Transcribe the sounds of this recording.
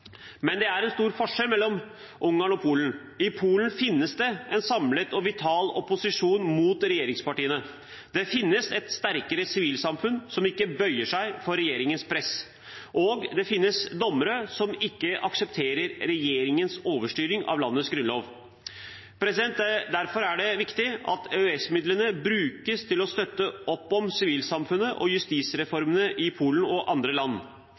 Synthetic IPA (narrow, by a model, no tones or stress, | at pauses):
mɛnd̪ɛæɾɛnst̪uːɾfɔʂɛlmɛlːɔm | ʔʊŋːɑːɳɔpʰuːlən̩ | ɪpʰuːlən̩fɪnːəsd̪ɛɛnsɑmlət̪ɔʋɪt̪ʰɑːlɔpʊsɪʂuːnmuːt̪ɾɛjeːɾɪŋspɑʈiːənə | d̪̥ɛfɪnːəsɛt̪st̪æɾkəɾəsɪʋiːlsɑmfʉnsɔmɪkːəbœʏəʂæɪfɔɾɛjeːɾɪŋənspʰɾɛs | ʔoːɡd̪ɛfɪnːəsd̪ɔmːəɾəsɔmɪkːəʔɑksɛpt̪ʰeːɾəɾɾɛjeːɾɪŋənsoːʋəʂʈyːɾɪŋʔɑ̰ʋlɑnːət̪sɡɾʉnloːʋ | pʰɾɛsɪd̪ɛnt̪̚d̪æɾfɔɾæɖɛʋɪkt̪ɪɑ̰t̪ʰøɛsmɪd̪lənəbɾʉːkəst̪ʰɪlɔst̪œt̪ːəʔɔpːɔmsɪʋiːlsɑmfʉnːəʔɔ̰jʉst̪iːsɾɛfɔɾmənəʔɪpʰuːlən̩ɔʔɑnd̪ɾəlɑnː